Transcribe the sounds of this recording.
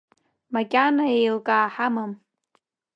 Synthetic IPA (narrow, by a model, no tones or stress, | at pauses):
makʲʼanaejlkʼaːħamɨm